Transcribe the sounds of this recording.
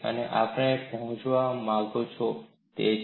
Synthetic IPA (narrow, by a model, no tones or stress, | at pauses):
ə̰neʔapɳ̃epɔɦɔ̃t͡ʃʋamãlt̪ot͡ʃʰo | t̪e